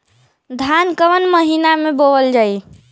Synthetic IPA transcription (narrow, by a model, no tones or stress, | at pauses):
d̪ʱankəʋənməɦinameboʋəld͡ʒai